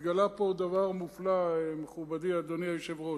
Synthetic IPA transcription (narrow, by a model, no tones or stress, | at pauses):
ɡalapo̞d̪avaʁmuflaemeχubadiad̪oniajʃevʁo